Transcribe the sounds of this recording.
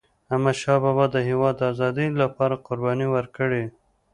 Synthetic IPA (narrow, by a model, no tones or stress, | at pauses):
amaʃɑbɑbɑd̪ːəɦewɑd̪ːəazɑd̪ilapɑɾaqʊɾbɑniwəɾkəɽe